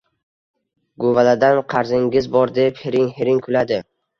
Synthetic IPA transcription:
ɡovalad̪anqʰɑɾzɪŋɡʲɪzbɒɾd̪e̞pheɾɪŋheɾɪŋkʰʊlad̪ɪ

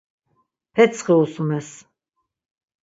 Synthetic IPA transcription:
pʰɛt̪sʰχɛusumɛs

